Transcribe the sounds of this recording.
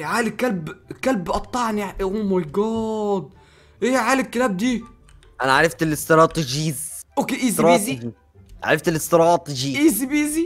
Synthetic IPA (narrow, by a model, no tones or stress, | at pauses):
ʕaːlikːælbkælbʔɑt̪ˤːɑʕniʔʔumɑjɡɑːd̪̚ | ʔeːʕaːlɪkːɪt̪æːb̚d̪iː | ʔænæʕaɾˤɑft̪elːɪst̪ɾˤɑːt̪ˤʒiːzʔokːeʔiːsɾɑːzd͡ʒi | ʕa̰ɾɑft̪elɪst̪ɾˤɑːt̪ˤd͡ʒiːʔiːsibiːzi